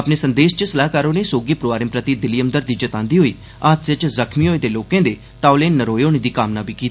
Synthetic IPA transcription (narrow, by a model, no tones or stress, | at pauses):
əpneːsənd̪eːʃt͡ʃəsəlaːɦkaːɾõːneːsoːɡeːpɾoʋaːɾɪmpɾət̪id̪ɪlijəmd̪əɾd̪iːd͡ʒət̪ãːnd̪iːɦoːḭː | aːt̪sɪt͡ʃzəkʰmiːoːed̪eːloːkẽːd̪eː | t̪aːʊleːnːəɾoːjoːñid̪iːkaːmnaːbiːkiːt̪a